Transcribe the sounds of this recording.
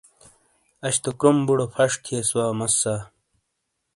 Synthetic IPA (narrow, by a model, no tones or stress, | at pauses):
ɐɕt̪okɾumbuɽopʰɐʂt̪ʰieswaːmɐsːaː